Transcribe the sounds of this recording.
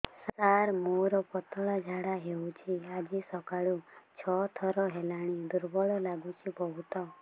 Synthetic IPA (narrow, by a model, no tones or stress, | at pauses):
saɾmuɾɔpɔt̪ɔɭad͡ʒʱaɽaɦeut͡ʃʰiad͡ʒisɔkaɭut͡ʃʰɔt̪ʰɔɾɔɦelaɽ̃id̪uɾbɔɭɔlaɡut͡ʃʰibɔɦut̪ɔ